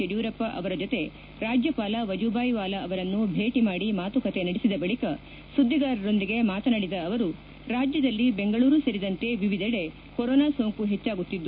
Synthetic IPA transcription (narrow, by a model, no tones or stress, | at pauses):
eɽjuːɾɐpːɐʔɐʋɐɾɐd͡ʒot̪e̞ | ɾaːd͡ʒjɐpaːlɐʋɐd͡ʒubaːjʋaːlɐːʋɐɾɐnːubʱe̞ːʈimaːɽimaːt̪ukɐt̪e̞nɐɽisid̪ɐbɐɭikɐ | sud̪ʱːid̪aːɾɐɾo̞nd̪iɡe̞maːt̪ɐnɐɽid̪ɐːʋɐɾu | ɾaːd͡ʒjɐd̪ɐlːibe̞ŋɡɐɭuːɾusɐɾid̪ɐnt̪e̞ʋiʋid̪ʱɐɽe̞ | koɾoːnaːsoːŋkuɦe̞t͡ʃːaːɡut̪ːid̪ːu